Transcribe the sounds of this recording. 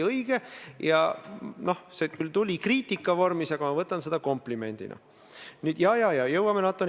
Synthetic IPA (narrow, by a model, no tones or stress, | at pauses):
ɤjɡ̥ejɑ̰no̞hseːt̪kylt̪ulʲikriːt̪ʲːˑikːˑɑvo̞rmisɑɡ̥ɑmɑvɤt̪ːˑɑnse̞d̪̥ɑko̞mplime̞̰nʲd̪̥ḭnɑ̰ | nyːd̪jɑːjɑːjɑjɤwːɑmenɑt̪ːˑon